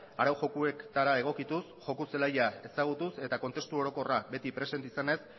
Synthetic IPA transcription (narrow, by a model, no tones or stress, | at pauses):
aɾawʝo̞kue̞kt̪aɾae̞ɣ̞o̞kit̪usʝo̞kuse̞lajae̞saɣ̞ut̪use̞t̪ako̞nt̪e̞st̪uo̞ɾo̞ko̞rabe̞t̪ipɾe̞se̞nt̪isane̞s